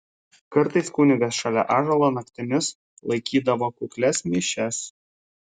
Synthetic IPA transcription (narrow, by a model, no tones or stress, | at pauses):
kɐɾt̪ɐɪskuːnʲɪɡɐsʃɐlʲɛ̰ʔɑːʒɐlˠoːnɐkt̪ʲɪmʲɪs | lˠɐɪkʲiːd̪ɐʋoːkuklʲɛsmʲiːʃʲɛs